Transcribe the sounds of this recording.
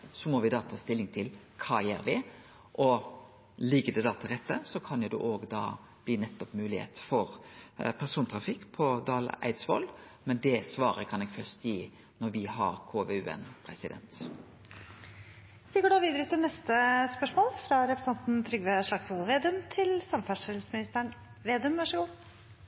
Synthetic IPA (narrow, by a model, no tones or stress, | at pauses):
sɔmɔʋɪd̪ɑːt̪ʰɑːst̪ɪlːɪŋt̪ʰɪl | kʰɑːjeːɾʋɪ | ʔɔ | lɪɡəd̪ɛd̪ɑːt̪ʰɪlʁɛt̪ːəsɔkʰɑnjʊd̪ɛ̰ːʔoːɡd̪ɑ̰ː | b̥liːnɛt̪ːɔpmʉːlɪhḛːt̪fɔɾpʰæʁsuːnt̪ʰɾɑfɪkːpʰɔd̪ɑːlə̰ʔæ̰ɪd̪sʋɔ̰lmɛnd̪ɛsʋɑːɾə̰kʰɑnɛɡfœʁst̪jiː | nɔɾʋɪɦɑɾkʰoːʋeʉːɛ̰npʰɾɛsɪd̪ɛ̰nt̪ | ʋɪɡoːɖɑːʋiːd̪əɾət̪ʰɪlnɛst̪əspœʂmoːlfɾɑɾɛpɾəsɛnt̪n̩t̪ʰɾʏɡʋeʂɭɑksɔlʋeːd̪ʉmt̪ʰɪlsɑmfæʂəlsmɪnɪst̪əɳ | ʋeːd̪ʉmʋɑʂəɡuː